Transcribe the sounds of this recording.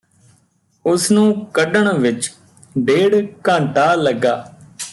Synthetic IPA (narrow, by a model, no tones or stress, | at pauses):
ʊsnũːkəɖəɳʋɪt͡ʃ | ɖeːɽkãːɳʈaːləɡaː